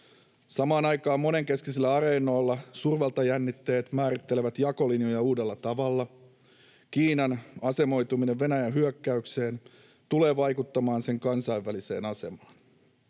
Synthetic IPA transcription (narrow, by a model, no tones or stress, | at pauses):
sɑmɑːnɑjkɑːmːo̞ne̞ŋke̞skiselːæɑɾe̞ːno̞ːlːɑsurʋelt̪ɑjænːit̪ːe̞ːt̪mæːɾit̪ːeleʋæt̪jɑko̞linjojɑuːde̞lːɑt̪ɑʋɑlːɑ | kiːnɑnɑse̞mo̞jt̪umineʋːe̞næjænɦyøkːæykse̞ːn | t̪ule̞ːʋɑjkut̪ːɑmɑːnse̞ŋkɑnsɑjʋːælise̞ːnɑse̞mɑːn